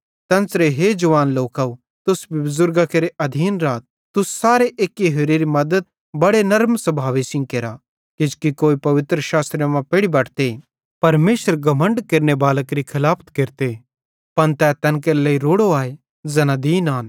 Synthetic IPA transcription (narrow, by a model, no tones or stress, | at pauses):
t̪ɐ̃nsɾeɦed͡ʒɐʋaːnloːkau | t̪ʊsbʱibʊzʊɾɡakeɾeʔɐd̪ʱiːnɾaːt̪̚ | t̪ʊssaːɾeʔeːkːiɦeːɾeɾimɐd̪əd̪̚ | bɐɽenɐɾmsɐbʱaːʋesɪ̃ŋkeːɾa | kɪd͡ʒkikoːipɐʋɪt̪ɾəʃaːst̪ɾjamãpeːɽibɐʈʰt̪e | pɐɾmeːʃəɾɡɐmə̃ɳɖkeɾnebaːləkɾikʰɪlaːpʰt̪keɾt̪e | pɐnt̪ɛːt̪ɐnkɐɾləiɾoːɽoaːe | zɛːnad̪iːnaːn